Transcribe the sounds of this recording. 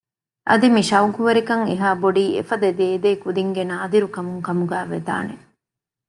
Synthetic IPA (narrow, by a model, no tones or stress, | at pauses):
ʔɐ̰d̪imiʃɐukuʋɐɾikɐŋeɦaːboɖiːḛfɐd̪ɐd̪eːd̪eːkud̪iŋɡenaːd̪iɾukɐmuŋkɐmuɡæːʋḛd̪a̰ːne